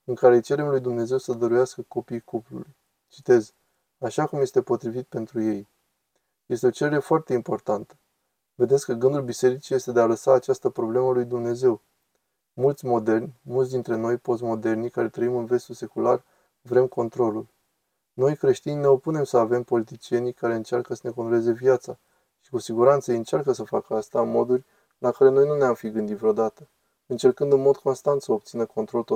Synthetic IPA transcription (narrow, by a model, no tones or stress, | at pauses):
ɨŋkaɾe̞t͡ʃe̞ɾe̞mlujd̪umne̞ze̞wsəd̪əɾujaskəko̞pijkuplṵluj | t͡ʃi̥t̪e̞z | aʃakumje̞st̪e̞po̞t̪ɾivit̪̚pe̞nt̪ɾuje̞j | je̞st̪eo̞t͡ʃe̞ɾeɾe̞foart̪e̞impo̞rt̪ant̪ə̥ | ve̞d̪et̪sʲkəɡɨnd̪ulbise̞ɾit͡ʃije̞st̪e̞d̪ealəsaːt͡ʃast̪əpɾo̞ble̞məlujd̪umne̞ze̞w | mult̪sʲmo̞d̪e̞rnʲmult̪s̬ʲd̪int̪ɾe̞no̞jpo̞s̬mo̞d̪e̞rnikaɾe̞t̪ɾəimɨnve̞st̪use̞kular | vɾe̞mko̞nt̪ɾo̞lul | no̞jkɾe̞ʃt̪inʲne̞o̞pune̞msəave̞mpo̞lit̪it͡ʃie̞nikaɾe̞ɨnt͡ʃarkəsəne̞ko̞nt̪ɾoe̞ze̞vijat̪sa | ʃi̥kusiɡuɾant̪səiɨnt͡ʃarkəsəfakəast̪amo̞d̪urʲ | lakaɾe̞nojnuneamfiɡɨnd̪it̪vɾeod̪at̪ə | ɨnt͡ʃe̞rkɨnd̪ɨnmo̞d̪ko̞nst̪ant̪səop̚t̪sinəko̞nt̪ɾo̞lt̪o